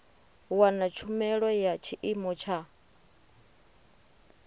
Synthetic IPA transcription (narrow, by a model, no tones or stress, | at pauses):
wanat͡ʃʰumɛɺɔjat͡ʃʰiʔimɔt͡ʃʰa